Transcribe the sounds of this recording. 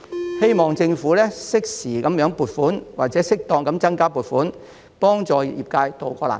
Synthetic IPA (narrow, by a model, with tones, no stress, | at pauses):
he˥jmɔː˨ŋt͡sɪ˧ŋfuː˨˥lɛː˥sɪ˥k̚siː˨˩kɐ˨˥mjœː˨˥ŋpuː˨˩t̚fuː˨˥nwaː˨˩t͡sɛː˨˥sɪ˥k̚t̪ɔː˧ŋkɐ˨˥mt͡sɐ˥nkaː˥puː˨˩t̚fuː˨˥n | pɔː˥ŋt͡sɔː˨˧ji˨jiː˨p̚kaː˧jt̪o˨wkɔː˧la̰ː˨˩n